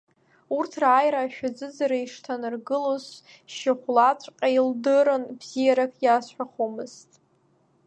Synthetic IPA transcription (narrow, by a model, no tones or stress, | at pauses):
urtʰraːjɾaːʃᶣad͡zɨd͡zaɾaiʂtʰanɨrɡɨlos | ʃɪχʷlat͡sʷʼqʲʼaildɨɾɨnbzijaɾakʰjasħʷᶣaχomɨztʼ